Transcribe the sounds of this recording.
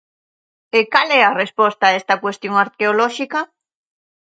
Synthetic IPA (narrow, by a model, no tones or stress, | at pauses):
ekalɛarespɔst̪aest̪ɐkwest̪joŋaɾkeolɔʃika